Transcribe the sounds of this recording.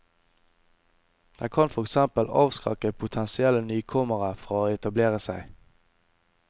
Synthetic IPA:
d̪̥æːkʰɑnfɔʁɛksɛmpəlɑ̰ːʋskʁɑ̰kəpʰʊt̪ʰɛnsɪɛlənyːkʰɔməʁəfɔʁoːɛt̪ɑbleːʁəsæɪ

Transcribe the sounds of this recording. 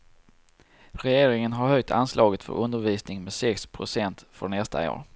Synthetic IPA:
ɾɛjeːɾɪŋənɦaɾhœjt̪ʰa̰nslɑːɡət̪fœ̰ɾɵnd̪əɾviːsnɪŋmɛsɛkspʰɾʊsɛnt̪fœɳɛst̪a̰o̰ːɾ

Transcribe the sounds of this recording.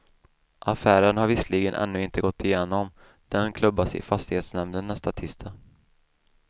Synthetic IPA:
ʔafæːɾənhaɾvɪsliːɡənʔɛ̰nːɵːɪnt̪əɡɔt̪ːɪjeːnɔm | d̪̥ɛnkʰlɵbːasɪ̰fast̪ɪheːt̪snɛmnənːɛst̪at̪ʰɪst̪ʰa

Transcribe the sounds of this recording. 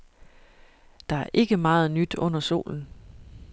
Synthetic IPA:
d̥ɑ̈æɐʔe̝ɡ̥əmɑ̈ːð̞̩ˠnyd̥ɔ̽n̰ɐso̝̰ːln̩

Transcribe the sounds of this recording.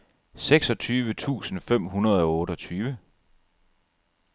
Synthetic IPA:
seɡ̥sɒ̽t͡sʰyːʋət͡sʰṵːsn̩fem̰ɦunɐð̞̩ˠɒ̽ɔ̽ːɾɒt͡sʰyːʋə

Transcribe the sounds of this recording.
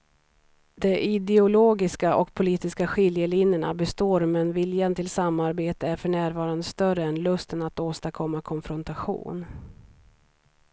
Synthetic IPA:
d̪̥ɛʔɪd̪ɛʊloːɡɪskaʔɔkpʰʊliːt̪ɪskaɧɪljəlɪnjəɳa̰bɛst̪oːɾmɛnvɪljant̪ʰɪlsamːaɾbeːt̪əæɾfœɳæːɾvɑːɾand̪əst̪œrəɛnlɵst̪ənat̪oːst̪akʰɔmːakʰɔnfɾɔnt̪aɧṵːn

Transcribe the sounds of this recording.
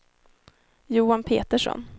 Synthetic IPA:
juːanpʰḛːt̪əʂɔ̰n

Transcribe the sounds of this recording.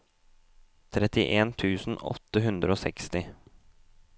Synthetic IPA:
t̪ʰɾɛt̪ɪʔeːnt̪ʰʉːsn̩ɔ̰t̪ːəɦʉnd̪ɾəoːsɛkst̪ɪ

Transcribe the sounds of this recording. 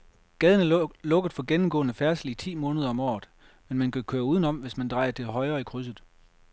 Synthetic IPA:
ɡ̥ɛð̞ˠənæɐlɔ̽ɡ̥əð̩ˠfɒ̽ɡ̥enm̩ɡɔ̽ːnəfæɐsəlit͡sʰḭːmɔ̽ːnəð̞ˠɐɒ̽mɒ̰ːð̩ˠ | menmænkʰækʰøːɐuːð̞ˠənɒ̽m̰ʋe̝smænd̥ʁɑ̈ɪɐt͡sʰe̝lɦɒ̽ɪɐikʰʁys̬ð̞̩ˠ

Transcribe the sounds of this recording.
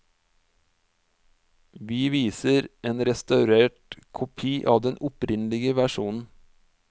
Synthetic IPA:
ʋiːʋiːsəɾʔeːnɾɛst̪ɑʉɾeːʈkʰʊpʰiːʔɑːʋd̪ɛnʔʊpɾɪnlɪɡəʋæʃuːnn̩

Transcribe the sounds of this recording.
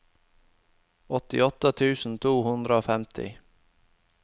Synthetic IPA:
ɔt̪ɪɔt̪ət̪ʰʉːsn̩t̪ʰuːhʉnd̪ɾəoːfɛmt̪ʰɪ̰

